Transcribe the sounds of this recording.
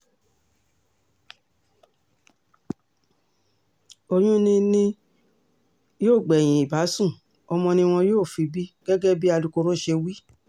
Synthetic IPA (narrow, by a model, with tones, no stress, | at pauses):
o˧j̃ũ˦nĩ˧nĩ˧˦ | joː˦˨ɡ͡bɛ˨j̃ĩ˨i˨ba˨˦sũ˦˨ | ɔ˧mɔ̃˧nĩ˧w̃ɔ̃˧joː˦˨fi˧bi˦ɡ̥ɛ˦ɡɛ˦bi˦a˧lu˧ko˧ɾo˦˨ʃe˧wi˦